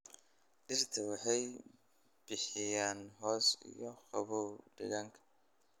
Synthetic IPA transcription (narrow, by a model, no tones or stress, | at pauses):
ʔɪrt̪ʰɐwɑħɑj | b̥ɪħɪjaːnɦɔːsɪ̰jɔχɑβuwɖɪ̰ɣaŋkʰɐ̥